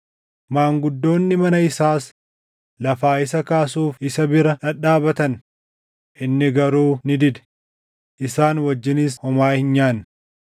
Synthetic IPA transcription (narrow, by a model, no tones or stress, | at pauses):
maːŋɡʊd̪ːo̞ːnːɪmɐnɐɪsaːs | lɐfaːɪs̬ɐkaːsuːfɪsɐbɪɾɐᶑɐᶑaːbɐt̪ɐn | ʔɪnːɪɡɐɾuːnɪd̪ɪd̪ɛ̥ | ʔɪsaːnwɐd͡ʒːɪnis̬hɔmaːhɪnɲaːn